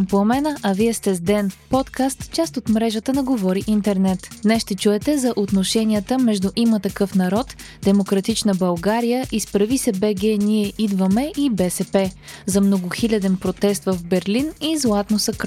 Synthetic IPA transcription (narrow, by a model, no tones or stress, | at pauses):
mpomɛnəʔɐviɛst̪ɛzd̪ɛnpɔt̪kast̪t͡ʃast̪ot̪mɾɛʒət̪ənɐɡovɔɾiʔint̪ɛɾnɛt̪d̪nɛsʃt̪ɛt͡ʃuɛt̪ɛzɐʔot̪noʃɛnʲiət̪əmɛʒd̪uʔimət̪ɐkɤfnɐɾɔt̪ | d̪̥ɛmokɾɐt̪it͡ʃnəbɐlˠɡaɾijəʔispɾɐvisɛbɛɡ̟ɛniɛʔid̪vəmɛʔibɛsɛpɛ | zɐmnoɡʊxilʲɐd̪ɛnpɾot̪ɛst̪vəvbɛɾlinizlˠat̪nosɐk